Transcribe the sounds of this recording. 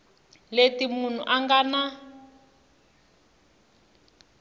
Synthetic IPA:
letimun̤ṵʔaŋɡana

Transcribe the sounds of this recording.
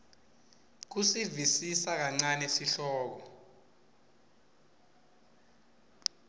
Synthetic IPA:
k̬usivisisak̬aŋ͡ǀanɛsiɬɔːk̬ɔ

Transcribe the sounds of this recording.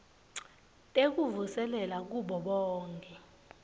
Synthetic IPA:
tʼek̬uvusɛlɛlak̬uɓɔɓɔːŋkʼɛ

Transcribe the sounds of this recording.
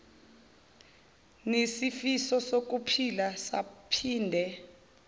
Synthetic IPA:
nesifisɔsok̬upʰilasa̰pʰiːndʱɛ

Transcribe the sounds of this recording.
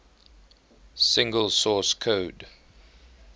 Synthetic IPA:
sɪ̃ŋɡəlsɔskʰoːd

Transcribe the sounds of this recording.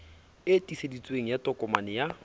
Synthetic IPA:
etʼisedit͡sʼweŋ̩jatʼɔkʼɔmanɪja

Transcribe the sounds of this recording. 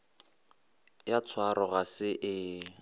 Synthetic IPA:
jat͡sʰwaɾɔɣasɪʔɪ

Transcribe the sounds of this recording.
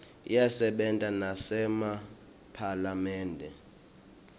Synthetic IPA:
ḭjasɛɓɛntʼanasɛma | pʰalamɛːndʱɛ

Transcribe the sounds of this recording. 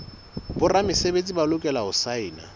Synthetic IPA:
bʊramɪsebet͡sʼibalʊkʼɛlaʊsaɪːna̰

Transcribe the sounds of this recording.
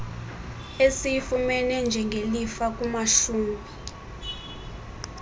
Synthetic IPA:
esijifumɛnɛnd͡ʒʱɛŋɡʱelifak̬ʼumaʃuːmi

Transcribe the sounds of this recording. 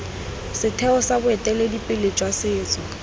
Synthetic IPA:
sɪtʰɛɔsabʊɛtʼɛledipʼɪlet͡ʃʼwasɪːt͡sʼɔ

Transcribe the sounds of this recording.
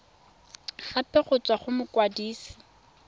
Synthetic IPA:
χapɛχʊt͡sʼwaχʊmʊkwadiːsɪ̥

